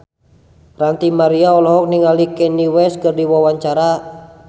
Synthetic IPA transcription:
rant̪imaɾiaɔlɔɦɔk̚niŋalikɛniwɛskɨrdiwawaɲt͡ʃaɾa

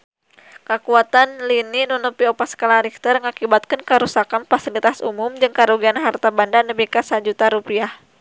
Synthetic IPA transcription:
kəkuat̪anlininunupiopaskalaɾik̚t̪ərŋakibat̪̚kənkəɾusakanfasilit̪asṵmʊmd͡ʒɨŋkaɾuɡianɦart̪abandanəbikasad͡ʒut̪aɾupiah

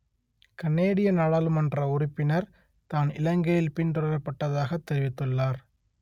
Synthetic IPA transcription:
kɐnːeːɽɪjɐnaːɭaːlɯmɐndrɐʊɾʊpːɪnɐɾ | t̪aːnɪlɐŋɡɐjɪlpɪndɾɐɾɐpːɐʈːɐðaːɣɐt̪ːɛɾɪʋɪt̪ːɯɭːaːɾ

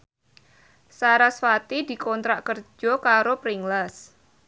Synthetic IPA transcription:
saɾasfat̪id̪̥i̤kɔnt̪ɾaʔkərd͡ʒɔkaɾopɾiŋlas

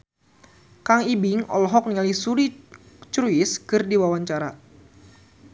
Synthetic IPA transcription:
kaŋibɪŋɔ̰lɦɔk̚niŋalisuɾi | t͡ʃɾuɪskɨrdiwawaɲt͡ʃaɾa

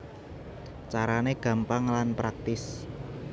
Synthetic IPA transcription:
t͡ʃaɾaneɡ̥a̤mpaŋlanpɾak̚t̪ɪs

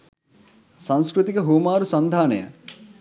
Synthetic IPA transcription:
sañskɾut̪ikɐɦuːmaːɾusɐnd̪ʱaːnɐ̰jɐ̰

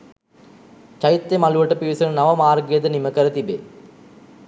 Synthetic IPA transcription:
t͡ʃɐjt̪ːemɐluʋɐʈːɐpiːsɐnɐnɐʋɐmaːɾɡijɐd̪ɐnimɐkɐɾɐt̪ibe

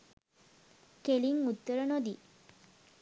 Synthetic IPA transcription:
keliŋut̪ːəɾənod̪i

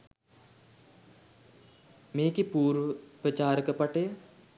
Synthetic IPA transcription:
meːkipuːɾʋəpɾət͡ʃaːɾəkəpɐʈeː

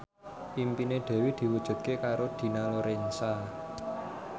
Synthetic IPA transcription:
pimpineɖ̪̥ɛ̤wid̪̥i̤wud̥ʒ̥ṳt̪̚kekaɾod̪̥i̤naloɾensa

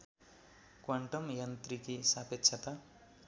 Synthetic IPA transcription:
kwaɳʈʌmjant̪rikisapet̪ːsʰʌt̪a

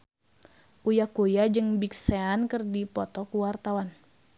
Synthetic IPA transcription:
ʔujakujad͡ʒɨŋbikseankərdipɔt̪ɔkuwart̪awan

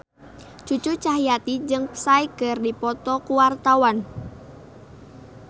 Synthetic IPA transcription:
t͡ʃut͡ʃut͡ʃaɦijat̪id͡ʒɨŋpsaikərdipɔt̪ɔkuwart̪awan

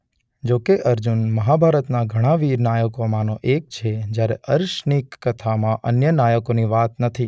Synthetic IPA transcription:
d͡ʒokeʔəɾd͡ʒunməɦabʱaɾət̪naɡʱəɽ̃ãʋiɾnajəkomãnoʔek̚t͡ʃʰed͡ʒjaɾeʔəɾʃnikːət̪ʰamãʔənjənajəkoniʋat̪nət̪ʰi

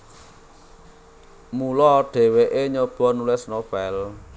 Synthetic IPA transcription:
mulɔɖ̥e̤weʔeɲob̥ɔ̤nulɪsnob̥ɛl

